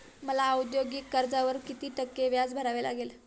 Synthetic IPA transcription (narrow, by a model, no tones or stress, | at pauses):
məlaud̪joɡiːkːəɾd͡zaʋəɾkit̪iːʈəkːeʋjad͡zbʱəɾaʋela̰ɡel